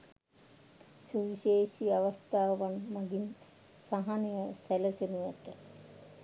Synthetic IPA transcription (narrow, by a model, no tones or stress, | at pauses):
suʋiseːsiaʋast̪aːʋanmaɡin | saɦanijəsæləsenujæt̪ə